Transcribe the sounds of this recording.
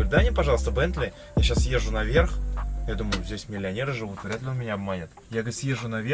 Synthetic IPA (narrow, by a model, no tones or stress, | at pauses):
ɾʲʊd̪anʲepɐʐɑlˠəst̪əbɛnt̪lʲɪ | jaɕasje̞ʐʊnɐvʲe̞rxjad̪uməjʊzʲdʲesʲmʲɪlʲɪɐnʲeɾɨʐɨvut̪vɾʲat̪lʲɪo̞nmʲɪnʲaɐbmanʲɪt̪ | jaɡʲsjeʐʊnɐvʲe